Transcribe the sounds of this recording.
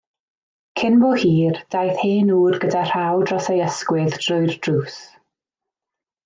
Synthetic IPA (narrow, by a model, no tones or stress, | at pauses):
kʰɪnvɔːhiːrd̥ajθheːnuːrɡədar̥awdrɔsejəskwɪðd̥rʊɨrd̥ruːs